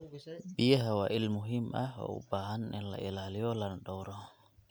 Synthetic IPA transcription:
biɛɦawaʔilmuɦima̰hɔ̰ṵbahanɛnla̰ʔilalijɔlanɗɔwɾɔ

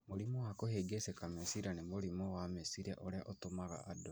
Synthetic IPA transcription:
moɾimowakoheɡesekamesiɾanemoɾimowamesiɾia̰ʔoɾeaʔotomaɣa̰ʔːdo

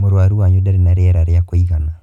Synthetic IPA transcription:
moɾwaɾiwaɲudaɾinaɾeɛɾaɾjakoiɣana

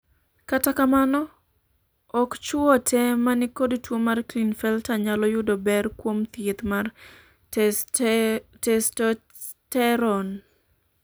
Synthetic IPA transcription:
katakamanɔ | ɔkt͡ʃʊɔtʰɛmanɪkodtwomarklinfɛltaɲalɔjʊdɔbɛrkwomt̪ɪt̪mar | tɛstɔ | tɛɾɔn

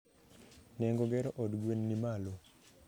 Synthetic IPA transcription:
nɛŋɡoɡɛɾɔʔɔdɡwenːimalo

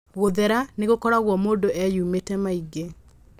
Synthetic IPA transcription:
ɣoðɛɾaneɣokɔɾaɣwɔmoːndoʔɛjuːmetɛmaiɡe

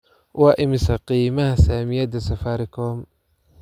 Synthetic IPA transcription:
wɑːʔɪmɪsɐqiːmɐhɐsaːmɪjɐd̪ɐsɐfaːɾɪkʰɔːm

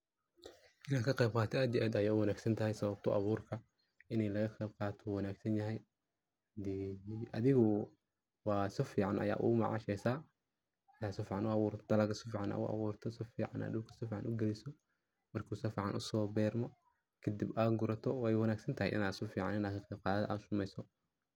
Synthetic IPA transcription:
ʔɪnaːkʰɐqɛjb̚qɑːt̪ʰɔaːd̪jɛʔæːd̪ɐjaːwɑnaːɡsɐnt̪ʰɐɦɛjsɐβɐb̚t̪ʰɔʔɑβuːrkʰɐ | ɪnɛjlɐɣɐqɛjb̚qɑːt̪ʰɔwɑnaːɡsɐnjɐɦɛj | d̪iːʔɐðɪɣʊ | wɑːsɪfiːʕɑnʔɐ̰ja̰ːʔʊ̰mɑ̰ʕɑ̰ʃɛjsaː | jaːsɔfiːʕɑnʊɑɣuːɾt̪ʰd̪ɐlɐɡʰɐsɪfiːʕɑnʔa̰ʊ̰ʔɑ̰βuːrt̪ʰɔsɪfiːʕɑna̰ːd̪ʊwkʰɐ̥sɔfiːʕɑnʔʊɡɛlɪsɔ | mɐrkʰuːsɔfiːʕɑnʔʊsɔːbɛːrmɔ | kʰɐd̪ibaːɡʊɾɐt̪ʰɔwɛjwɑnaːɡsɐnt̪ʰɐɦɛ̰jʔɪ̰naːsɔfiːʕɑ̰nɪnaːkʰɐqɛjb̚qɑːðɐðɐʔa̰ːd̪sʊmɛjsɔ

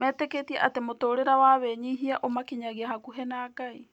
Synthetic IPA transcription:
mɛːteketiaʔatemotoːɾeɾawaːβeɲiɦiaʔomakiɲaɣiaɦakuɦɛnaːɡai

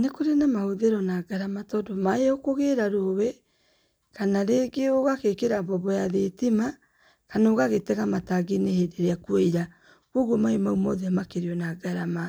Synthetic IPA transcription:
nekoɾenamahoðeɾɔnaɡaɾamatɔdomaeokoɣeɾaɾowɛ | kanaɾeɡeoɣakekeɾabɔβɔjaðetima | kanoɣaɣetɛɣamataɡenehedeɾeakweiɾa | kwoɣwɔmaemaumɔðɛamakeɾiɔnaɡaɾama

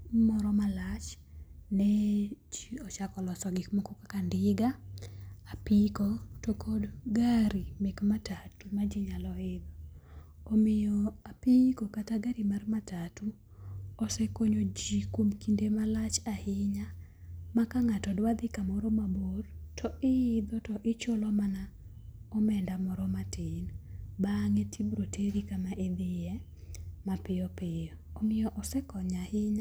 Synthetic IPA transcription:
mɔɾɔmalat͡ʃ | nɛt͡ʃiɔt͡ʃakɔlɔsɔɡɪkmokokakandɪɡa | apikɔtokʰodɡaɾimekmatatumad͡ʒɪɲalɔɪd̪ɔ | omɪjɔapikokataɡaɾimarmatatu | ɔsɛkoɲod͡ʒikomkindemalat͡ʃahɪɲa | makaŋatɔdwad̪ɪkamɔɾɔmabortʰɔɪɪd̪ɔtɔʔɪt͡ʃolɔmana | ɔmɛndamɔɾɔmatɪnbaŋɛtʰibɾotʰeɾikamaʔed̪ɪjɛ | mapɪɔpɪjɔːmɪjɔʔɔsɛkɔɲahɪɲa

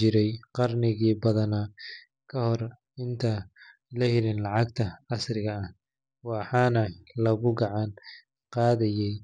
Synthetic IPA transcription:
t͡ʃɪɾɛjqɑrnɪɣiːbɐðɐnaː | kʰɐhɔr | ɪnt̪ʰɐ | lɐhɪlɪnlɑʕɑɡt̪ʰɐɑsrɪɣɐɐh | wɑħɑːnɐlɐɣʊɡɑʕɑn | qɑːðɐjɛj

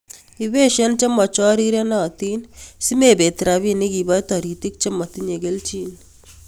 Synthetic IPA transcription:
iβeʃɐnt͡ʃɐmɐt͡ʃɔɾiɾenat̪insimebet̪ɾaβiniɡibajt̪ɔɾit̪ik̚t͡ʃɐmːɐt̪ineɡelt͡ʃin

